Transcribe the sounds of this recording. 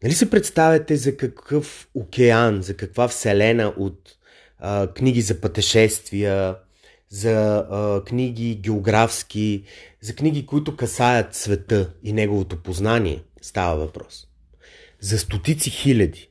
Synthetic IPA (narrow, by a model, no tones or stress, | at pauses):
nɐlisɛpɾɛt̪st̪avʲɐt̪ɛzɐkɐkɤfokʲɛanzɐkɐkvafsɛlɛnəʔot̪ | kniɡ̟izɐpət̪ɛʃɛst̪vijə | zɐkniɡ̟ʲiɡʲɛoɡɾafsk̟ʲizɐkniɡikoit̪ʊkɐsajət̪svɛt̪ɤinɛɡovot̪opoznanʲiɛ̰ | st̪avəvɐpɾɔs | zɐst̪ot̪it̪sixilʲɐd̪i